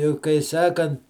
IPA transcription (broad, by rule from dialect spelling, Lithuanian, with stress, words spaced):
ɪ kɐɪ ˈsɑːkɐnt